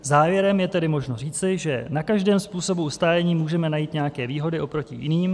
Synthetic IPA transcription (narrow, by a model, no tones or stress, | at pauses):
zaːvjɛɾɛmjɛt̪ɛdɪmo̞ʒno̞r̝iːt͡sɪʒɛnakaʒdɛːmspuːso̞buust̪aːjɛɲiːmuːʒɛmɛnajiːt̪ɲɛjakɛːviːɦo̞dɪʔo̞pɾo̞cɪ̰jɪ̰niːm